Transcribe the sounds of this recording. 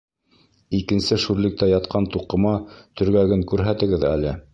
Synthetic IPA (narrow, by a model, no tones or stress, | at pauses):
ikɘ̆nsɘʃʉɾlɘ̆k̚t̪æjɑt̪qʰɑnt̪uqɤ̆mɑt̪ɵ̆ɾɡæɡɘŋkʉɾɦæt̪ɘ̆ɡɘðæ̰lɘ